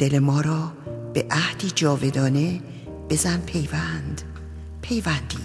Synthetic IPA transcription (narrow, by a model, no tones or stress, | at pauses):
d̪̥e̞le̞mɒːɾɒːb̥e̞ʔæhd̪̥iːd͡ʒɒːve̞d̪ɒːne̞ | b̥e̞zænpʰejvænd̪ | pʰe̞jvænd̪i̥ː